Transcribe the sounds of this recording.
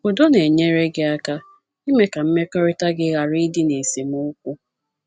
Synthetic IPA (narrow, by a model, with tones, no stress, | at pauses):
o˨do˦ne˨ɲe˦ɾe˦ɡɪ˦a˦ka˦ | i˦me˦ka˨m̩˦me˦kɔ˦ɾɪ˦ta˦ɡɪ˦ɣa˨ɾi˦dɪ˦ne˨se˨mu˦kʷu˦